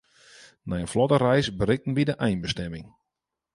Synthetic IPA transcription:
nɛjənflɔtərɛjsbəɾɪk̚tən̩ʋidəʔɛjnbəstɛmɪŋ

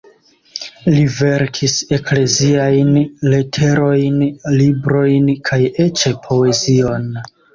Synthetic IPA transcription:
live̞ɾkʰise̞kle̞ziajnle̞tʰe̞ɾo̞jnlibɾo̞jnkʰaje̞t͡ʃepʰo̞e̞zio̞n

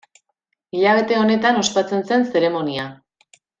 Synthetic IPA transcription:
iʎaβ̞e̞t̪e̞o̞ne̞t̪ano̞spat͡se̞nse̞nse̞ɾe̞mo̞nia

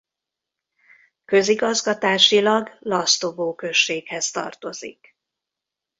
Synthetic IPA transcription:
kø̞ziɡɒzɡɒt̪aːʃilɒɡlɒst̪o̞boːkø̞ʃːeːkhɛst̪ɒ̰rt̪o̞zḭk

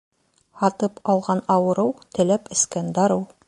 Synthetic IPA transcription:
hɑt̪ɤpɑlˠʁɑnɑwɤ̆ɾɤwt̪ɘ̆læpɘ̆skænd̪ɑɾɤw

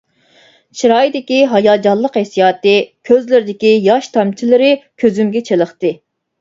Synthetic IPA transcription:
t͡ʃʰiɾɑjd̪ɪkʲiɦɑjɑːd͡ʒɑlˠːəqhɛsijɑːt̪ɨkʲʰøzlɪɾɪd̪ɪkʲijɑʃt̪ʰɑmt͡ʃʰilɪɾɪkʲʰøzymɡʲɛt͡ʃʰelˠəχt̪ɨ

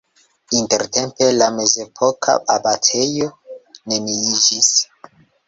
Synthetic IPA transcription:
inte̞ɾte̞mpe̞lame̞ze̞pʰo̞kʰa̰babatʰe̞jo̞ne̞niid͡ʒis

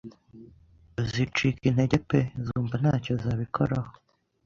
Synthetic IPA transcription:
zit͡ʃikin̥he̞ɟepezuːmban̥haːcozaːβikʰo̰ɾaho

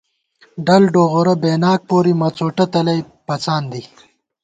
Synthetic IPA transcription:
ɖɐlɖoːɣoɾɐbeːnaːk̚poːɾimɐt͡soːʈɐt̪ɐlɐj | pɐt͡saːnd̪i

